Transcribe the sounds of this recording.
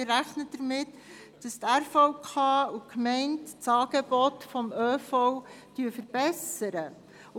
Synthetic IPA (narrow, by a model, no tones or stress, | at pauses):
ɪɾæχnəd̥əɾmɪt | d̥ɑst̪æɾfɔʊkʰɑːukmɛɪntt͡sɑːɡ̥ebɔtfɔmøːfɔwd̥yːfəɾb̥ɛsəɾə